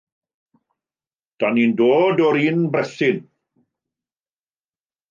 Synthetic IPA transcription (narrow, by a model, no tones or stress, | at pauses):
d̥anindoːdɔɾinbrɛθɪn